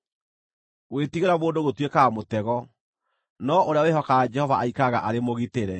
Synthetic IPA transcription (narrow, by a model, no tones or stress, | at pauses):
wetiɣeɾaβoːndoɣotwekamotɛɣɔ | nɔʔoɾeaowehɔkad͡ʒɛhɔvaʔaikaɣa̰ʔaɾemoɣiteɾɛ